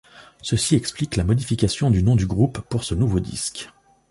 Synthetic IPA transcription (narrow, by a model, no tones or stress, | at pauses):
səsiɛkspliklamɔd̪ifikasjɔ̃d̪ynɔ̃d̪yɡʁupːuʁsənuvod̪ḭsk